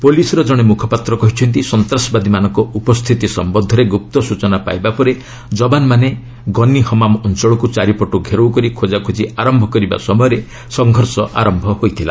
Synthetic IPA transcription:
polisɔɾɔd͡ʒɔɽ̃emukʰɔpat̪ɾɔkɔɦit͡ʃʰɔnt̪isɔnt̪ɾasɔbad̪imanɔŋkɔupɔst̪ʰit̪isɔ̰mbɔd̪ʱːɔɾeɡup̚t̪ɔsut͡ʃɔnapa̰jbapɔɾe | d͡ʒɔbanmane | ɡɔnihɔmamɔnt͡ʃɔɭɔkut͡ʃaɾipɔʈuɡʱeɾowkɔɾikʰod͡ʒakʰod͡ʒiaɾɔmbʱɔkɔɾiba̰sɔmɔjɔɾe | sɔŋɡʱɔɾsɔʔa̰ɾɔmbʱɔhojt̪ʰila̰

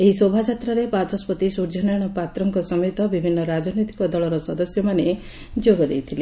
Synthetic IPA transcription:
eɦisobʱad͡ʒat̪ɾaɾepatɔspɔt̪isuɾd͡ʒɔnajɽ̃ɔpat̪ɾɔŋkɔsɔmɔjt̪ɔbibʱinːɔɾad͡ʒɔnɔjt̪i̥kɔd̪ɔɭɔɾɔsɔd̪ɔsjɔmane | d͡ʒoɡɔd̪ejt̪ʰile

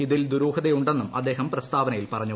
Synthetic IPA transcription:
iðild̪uɾuːɦɐðejuɳɖenːumɐ̰d̪ːe̞ːɦɐmprɐst̪aːʋɐnɐjilpɐrɐɲːu

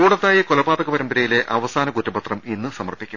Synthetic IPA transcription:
uːɽɐt̪ːaːjɐkolɐbaːðɐɣɐpɐɾɐmbɐɾɐjile̞ʔɐʋɐsaːnɐkutːɐbɐt̪rɐminːɨsɐmɐrpːikʲːum

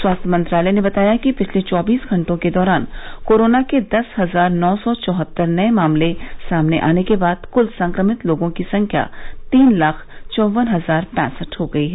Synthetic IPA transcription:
swaːst̪ʰjəmɐ̃nt̪ɾaːlɛjnebɐt̪aːjakipɪt͡ʃʰlet͡ʃɔːbiːsɡʱɐ̃ɳʈõked̪ɔːɾaːnkoːɾoːnaked̪ɐsɦɐzaːɾnɔːsɔt͡ʃɔːɦət̪ːəɾnɐemaːmlesaːmneʔa̰ːnekebaːd̪̥kʊlsɐ̃ŋkɾəmɪt̪loːɡõkisɐ̃ŋkʰja̰t̪iːnlaːkʰt͡ʃɔːʋənɦɐzaːɾpɛ̃ːsəʈhoɡɐiɦɛː

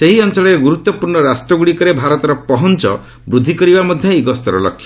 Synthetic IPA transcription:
seɦiɔnt͡ʃɔɭɔɾeɡuɾut̪ːɔpuɾɳɔɾasʈɾɔɡuɽikɔɾebʱaɾɔt̪ɔɾɔpɔɦɔnt͡ʃɔ̰ | bɾud̪ʱikɔɾibamɔd̪ʱjɔiɡɔst̪ɔɾɔ̰lɔ̰kʰːjɔ

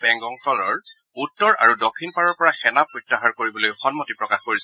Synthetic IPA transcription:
bɛŋɡɔŋtɔlɔɹ | utːɔɹa̰ɹudɔkʰːinpaɹɔɹpɔɹaxɛnapɹɔtːaɦaɹkoɹibɔlojxɔnmɔtipɹɔkaxkoɹis

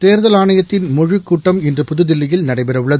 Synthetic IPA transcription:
t̪eːɾðɐlaːɳɐjɐt̪ːɪnmʊɻɯkːuːʈːɐmɛndrɯpʊðɯðɪlːɪjɪlnɐɽɐɪpɛɾɐʋɯɭːɐð

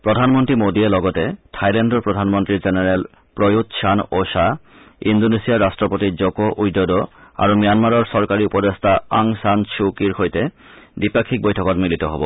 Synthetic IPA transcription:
pɾod̪ʱanmontɾimod̪ielɔɡot̪etʰajlenɖoɾpɾod̪ʱanmont̪ɾid͡ʑeneɾel | pɾojut̪ʃʰanoʃa | ind̪onesiaɾːasʈɾopot̪id͡ʑokoʔujd̪ːod̪oa̰ɾumijanmaɾɔɾsɔɾkaɾiupɔd̪est̪ʰaaŋsanʃukiɾhojt̪e | bipakʰːik̚bojtʰɔkɔt̪milit̪oɦɔbo̰

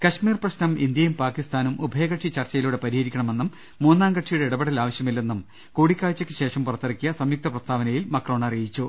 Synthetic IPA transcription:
kɐɕmiːrprɐɕnɐmind̪jɐjumpaːkist̪aːnumʔubʱɐjɐɣɐʈʂit͡ɕɐrt͡ɕɐjiluːɽe̞pɐɾihɐɾikʲːɐɳɐme̞nːumː | uːnːaːŋɡɐʈʂijuɽeiɽɐbɐɽɐlaːʋɐɕjɐmilːe̞nːum | kuːɽikʲːaːɭt͡ɕːɐkːɨɕe̞ːʂɐmpurɐt̪ːɐrɐkʲːijɐsɐmjuk̚t̪ʰɐprɐst̪ʰaːʋɐnɐjilmɐkro̞ːɳɐrijit͡ɕːu

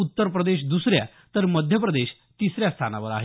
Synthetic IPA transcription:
ut̪ːəɾpɾəd̪eɕ̬d̪usɾja̰ | t̪əɾməd̪ʱjəpɾəd̪eɕ | t̪isɾjast̪ʰanaʋəɾa̰ɦe

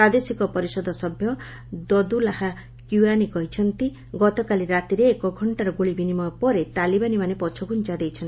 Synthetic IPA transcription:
pɾad̪esikɔpɔɾisɔd̪ʱɔsɔbʱjɔ | d̪ɔd̪ulaha | kjuanikɔɦit͡ʃʰɔnt̪i | ɡɔt̪ɔkaliɾat̪iɾeːkɔɡʱɔɳʈaɾɔɡoɭibinimɔpɔɾet̪alibanimanepɔt͡ʃʰɔɡunt͡ʃad̪ejt͡ʃʰɔnt̪i

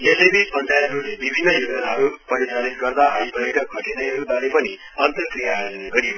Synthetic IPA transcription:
esejbʱipʌnd̪ʱajɦʌɾulebibʱinːʌjud͡ʒʌnaɦʌɾupʌɾit͡ʃalit̪̚ɡʌrd̪aɦʌipʌjeʈʰʌk̚kʌʈeneʌɾubaɾepʌni | ʌnt̪ʌkrijaɦʌneɡʌɾi

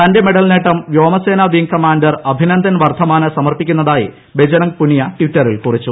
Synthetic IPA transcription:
t̪ɐnde̞me̞ɽɐlneʈːɐmʋjo̞ːmɐseːnɐʋiŋkɐmaːɳdɐrɐbʱinɐnd̪ʱɐnʋɐrt̪ʰɐmaːnɐsɐmɐrpikʲːunːɐðaːjḭ | bed͡ʑɐnɐŋpuɳijɐʈʋitːɐrilkurit͡ɕːu

